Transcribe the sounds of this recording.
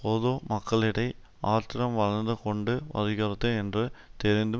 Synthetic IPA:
poːðoːmɐkːɐɭɪɽɐɪ | aːɾt̪ɪɾɐmʋɐɻɐnd̪ɯkɔɳɖɯʋɐ̰ðɪɣɐɾɐt̪ːɯɛndrɯt̪ɛɾɪnd̪ɯ

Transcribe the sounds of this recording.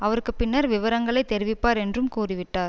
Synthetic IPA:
ɐʋɐɾɯkːɯpːɪnːɐɾʋɪʋɐɾɐŋɡɐɭɐɪt̪ːɛɾɪʋɪpːaːɾɛndrɯmkuːrɪʋɪʈːaːɾ

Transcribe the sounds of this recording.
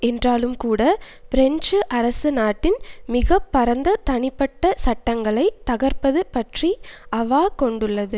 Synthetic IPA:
ɛndraːlɯmkuːɽɐ | pɪɾɛɲd͡ʒɯʔɐɾɐsɯnaːʈːɪnmɪɣɐpːɐɾɐnd̪ɐt̪ɐɳɪpːɐʈːɐsɐʈːɐŋɡɐɭɐɪt̪ɐɣɐɾpɐðɯpɐʈriʔɐʋaːkɔɳɖɯɭːɐðɯ

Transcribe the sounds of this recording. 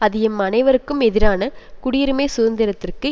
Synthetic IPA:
ɐðɪɛmːɐnɐɪʋɐɾɯkːɯmɛðɪɾaːnɐkʊɽɪjɪɾɯmeːsʊðɐnd̪ɪɾɐt̪ːɪrkɯ

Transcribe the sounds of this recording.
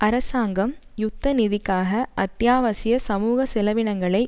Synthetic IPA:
ɐɾɐsaːŋɡɐmjʊt̪ːɐnɪðɪkːaːɣɐʔɐt̪jaːʋɐsɪjɐsɐmuːɣɐsɛlɐʋɪɳɐŋɡɐɭɐɪ

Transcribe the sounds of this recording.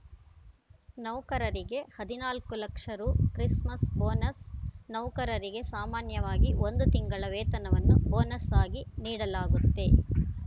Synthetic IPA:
nɐwkɐɾɐɾiɡe̞hɐd̪inaːlkulɐkʂɐɾuːkɾismɐsboːnɐsnɐwkɐɾɐɾiɡe̞saːmaːnjɐʋaːɡio̞nd̪ut̪iŋɡɐɭɐʋeːt̪ɐnɐʋɐnːubo̞ːnɐsaːɡiniːɽɐlaːɡut̪ːe̞

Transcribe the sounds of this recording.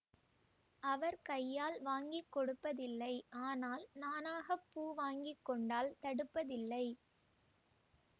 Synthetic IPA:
ʔɐʋɐɾkɐjːaːlʋaːŋɡɪkːɔɽɯpːɐðɪlːɐɪʔaːnaːlnaːnaːɣɐpːuːʋaːŋɡɪkːɔɳɖaːlt̪ɐɽɯpːɐðɪlːɐɪ

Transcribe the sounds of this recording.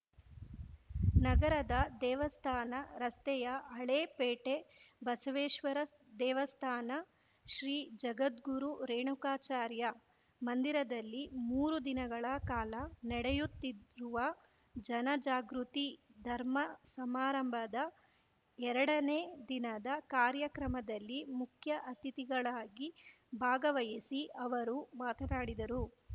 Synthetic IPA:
nɐɡɐɾɐd̪ɐd̪ɛːʋɐst̪ʰaːnɐɾɐst̪ɛjɐɐɭeːpeːʈebɐsɐʋeːʃʋɐɾɐ | d̪ɛːʋɐst̪ʰaːnɐ | ʃɾiːd͡ʒɐɡɐt̪ɡuɾuɾeːɳukaːt͡ʃaːɾjɐ | mɐnd̪iɾɐd̪ɐlːimuːɾud̪inɐɡɐɭɐkaːlɐnɐɽɛjut̪ːiɾuʋɐ | d͡ʒɐnɐd͡ʒaːɡɾut̪id̪ʱɐɾmɐsɐmaːɾɐmbʱɐd̪ɐ | ɛɾɐɽɐneːd̪inɐd̪ɐkaːɾjɐkɾɐmɐd̪ɐlːimukʰjɐʔɐt̪it̪iɡɐɭaːɡi | bʱaːɡɐʋɐjisiʔɐʋɐɾumaːt̪ɐnaːɽid̪ɐɾu

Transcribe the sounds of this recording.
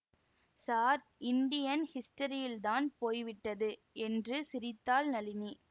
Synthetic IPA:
saːɾ | ʔɪnɖɪjɐnhɪsʈɐɾɪjɪlt̪aːnpoːjʋɪʈːɐðɯ | ɛndrɯsɪɾɪt̪ːaːlnɐlɪni

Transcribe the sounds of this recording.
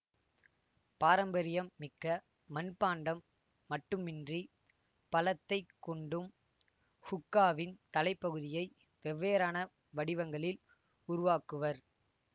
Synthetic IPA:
paːɾɐmbɐɾɪjɐmːɪkːɐ | mɐnpːaːɳɖɐmː | ɐʈːɯmɪndri | pɐlɐt̪ːɐɪkːɔɳɖɯm | hʊkːaːʋɪnt̪ɐlɐɪpːɐɣɯðɪjɐɪ | ʋɛʋːeːɾaːnɐ | ʋɐɽɪʋɐŋɡɐɭɪl | ʊɾʊʋaːkɯʋɐɾ

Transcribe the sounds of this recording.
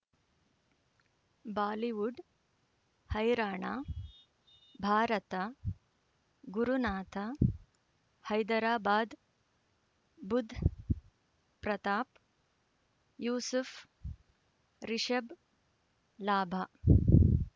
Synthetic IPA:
baːliʋuɖ | hɐjɾaːɳaː | bʱaːɾɐt̪ɐ | ɡuɾunaːt̪ʰɐ | hɐjd̪ɐɾaːbaːd̪ | bud̪ʱː | pɾɐt̪aːp | juːsuf | ɾiʃɐb | laːbʱa

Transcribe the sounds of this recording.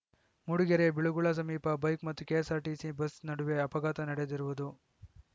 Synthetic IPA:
muɽuɡeɾebiɭuɡuɭɐs̬ɐmiːpɐbɐjkmɐt̪ːukeːsaːɾʈiːsibɐsnɐɽuʋeɐpɐɡaːt̪ɐnɐɽed̪iɾuʋud̪u

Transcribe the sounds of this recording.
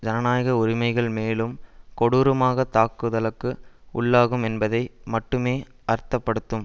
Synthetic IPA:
d͡ʒɐnɐnaːjɐɣɐʊɾɪmɐɪɣɐɭmeːlɯmkɔɽuːɾɯmaːɣɐt̪ːaːkːɯðɐɭɯkːɯʊɭːaːɣɯmɛnbɐðɐɪmɐʈːɯmeː | ʔɐɾt̪ːɐpːɐɽɯt̪ːɯm

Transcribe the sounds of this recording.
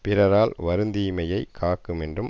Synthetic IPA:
pɪɾɐɾaːlʋɐɾɯnd̪iːmɐjɐɪkʰːaːkːɯmɛndrɯm

